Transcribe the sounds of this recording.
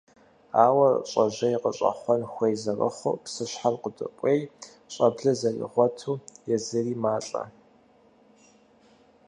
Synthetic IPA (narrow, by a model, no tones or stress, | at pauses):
aːwɐr̰ɕʼɐʑɐjqəɕʼɐ̰χʷɔnxʷejzɐrə̰χʷʊ̰psɨɕħarqədʼɨ̰kʷʼej | ɕʼɐbɮɐzɐrḭʁʷɔtʰuːjɛzɨriːmaːɬʼɐ̰